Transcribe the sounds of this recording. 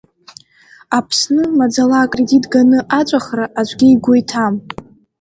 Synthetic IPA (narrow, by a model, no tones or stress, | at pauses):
apʰsnɨmad͡zalaːkʼre̞ditʼɡanɨʔat͡ʃʷʼaχraʔat͡ʃʷʼɡʲiiɡʷojtʰam